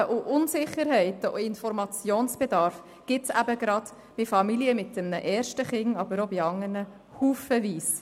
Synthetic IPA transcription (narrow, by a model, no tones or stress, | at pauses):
ʔʊʔʊnsɪχəɾɦɛɪtəo̰ɪnfɔɾmɑt͡sjoːnsb̥ed̪ɑɾf | ɡ̥ɪtsæbəɡ̥ɾɑd̪ | b̥ifɑmiljəmɪt̚dəmnəʔɛːɾʃtəχɪŋɑb̥əɾobiɑŋːəɾnə | huːfəviːs